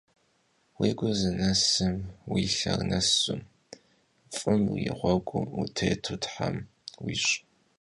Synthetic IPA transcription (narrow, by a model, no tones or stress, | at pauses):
weːɡʷʊzɨnɐsɨmwiːɬɐrnɐsʊm | fʼɨmjɪ̰ʁʷɔɡʷʼʊmutʰejtʰutħam | wiːɕʼ